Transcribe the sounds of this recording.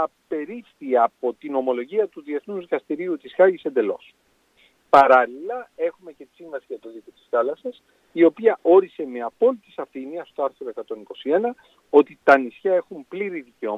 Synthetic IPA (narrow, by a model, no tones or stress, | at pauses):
ɐpe̞ɾipθiɐpo̞t̪ino̞mo̞lo̞ʝiɐt̪uðie̞θnuzðikɐst̪iɾiut̪isxɐʝise̞nd̪e̞lo̞̰s | pɐɾɐlilɐe̞xume̞cet̪i̥siɱvɐsiʝɐt̪o̞ðikot̪i̥sθɐlɐsɐs | io̞piɐʔo̞ɾise̞me̞ɐpo̞lit̪isɐfiniɐst̪o̞ɐɾθɾo̞ekɐt̪o̞niko̞sie̞nɐ | o̞t̪it̪ɐnisçɐe̞xumpliɾiðiceo̞